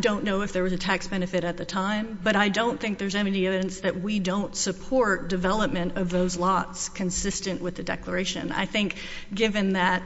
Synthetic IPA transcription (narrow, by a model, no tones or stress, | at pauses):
dõʊ̃nːoʊɨfðə˞wʌzɨtʰæksb̥ɛnɨfɨɾɨt̪̚ðɨtʰãɪ̃mbʌɾaɪdõʊ̃nθɪ̃ŋk̚ðə˞zɛniɛvɨɾɨ̃nsðɨʔ̚widõʊ̃ntsɨpʰɔɹt̚d̥ɨvɛlˠəp̚mɨ̃nʌvðoʊzlɔtskʰɨ̃nsɪstɨ̃nʔwɨðɨdɛ̰klə˞eɪʃɨ̰̃na̰ɪθɪ̃ŋk | ɡ̥ɪvɨ̃nðɨt̚